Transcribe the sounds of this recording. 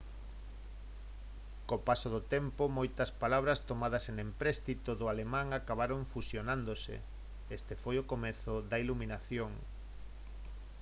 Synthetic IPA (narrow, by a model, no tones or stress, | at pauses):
kopasoðʊt̪ɛmpomojt̪ɐspalaβ̞ɾɐst̪omað̞ɐsenempɾɛst̪it̪oðʊalemãŋakaβaɾoɱfusjonãnd̪osḛ | est̪efojokomeθoðɐiluminaθjoŋ